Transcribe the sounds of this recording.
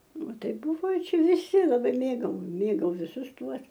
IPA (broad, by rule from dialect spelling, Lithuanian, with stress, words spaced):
ˈtɐɪ ˈbʊʋɐɪ ˈt͡ʃʲɛ ʋʲɪˈsʲɪ lˠɐˈbɐɪ ˈmʲeːɡɐʊ ˈmʲeːɡɐʊ ʋʲɪˈsʊs ˈtuɔs